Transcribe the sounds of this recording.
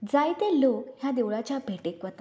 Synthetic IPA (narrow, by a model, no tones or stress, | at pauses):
d͡zajt̪elokɦjad̪eʋɭat͡ɕjabʱeʈekʋət̪a